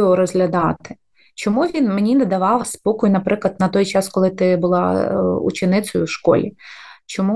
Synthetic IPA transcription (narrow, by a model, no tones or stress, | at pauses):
ɔɾɔzɦlʲɐd̪ɑt̪ɪ̥ | t͡ʃɔmuʋʲinmenʲinɛd̪ɐʋɑwspɔkʊjʊnɐpɾɪklˠɐd̪nɐt̪ɔjt͡ʃɑskɔlˠɪt̪ɪbʊlˠɑ̰ṵt͡ʃɪnɪtsɔjʊwʃkɔ̰lʲḭt͡ʃɔmu